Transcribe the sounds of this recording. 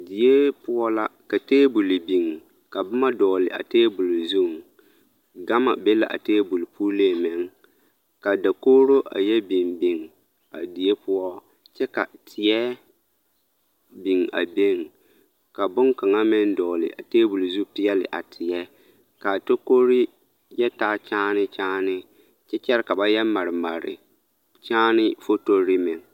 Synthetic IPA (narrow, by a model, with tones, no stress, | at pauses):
di˨je˦pʊ˦ɔ˦la˦ka˨teː˦bu˨lɪ˨bi˨ŋ | ka˨bʊ˦ma˦dɔː˨lɪ̰˨ʔa̰˨teː˦bu˨lzu˦˨ŋ | ɡa˦ma̰˨bɛ˦la̰˨ʔa̰˨teː˦bu˨lpuː˦le˦˨mɛ˨ŋ | ka˨da˨koː˦ɾo˦ʔa̰˨jɛ˦bɪ˨mbɪ˨ŋ | a̰˨di˨je˦pʊ˦ɔ˦ | t͡ʃɛ˦ka˨tʰɪ˨jɛ˦ | bɪ˨ŋa̰˨be˦ŋ | ka˨bʊ˦ŋka˨ŋa˦mɪ˦n˦dɔ˨lɪ̰˨ʔa˨teː˦bu˨lzu˦pɪ˦jɛ˦lɪ̰˨ʔa˨tʰɪ˨jɛ˦ | ka˨to˦ko˦ɾi˦ | jɛ˦taː˦t͡ʃaː˦nɪ˦t͡ʃaː˦nɪ˦ | t͡ʃɛ˦t͡ʃɛ˦ɾɪ˦ka˨ba˦jɛ˦ma˨ɾɪ˨ma˨ɾɪ̰˨ | t͡ʃaː˦nɪ˦fo˦to˦ɾi˦mɪ˨ŋ